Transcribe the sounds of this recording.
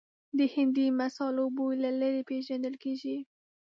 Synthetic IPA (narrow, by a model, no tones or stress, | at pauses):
d̪əhɪnd̪imasɑlobolalaɾepeʒand̪əlkeʒi